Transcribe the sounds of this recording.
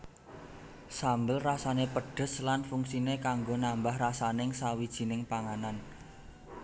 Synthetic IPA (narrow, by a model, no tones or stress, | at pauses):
sambəlrasanepəɖ̥ə̤slanfuŋsinekaŋɡonambahrasanɪŋsawid̥ʒ̥i̤nɪŋpaŋanan